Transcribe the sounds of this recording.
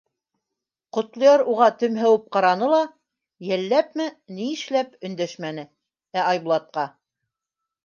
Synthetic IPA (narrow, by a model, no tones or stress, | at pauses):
qŏt̪lˠɤ̆jɑɾuʁɑt̪ɵ̆mɦæwɘp̚qɑɾɑnɤlˠɑ | jælːæp̚mɘniɘʃlæpɵ̆nd̪æʃmænɘ | æɑjbulˠɑt̪̚qɑ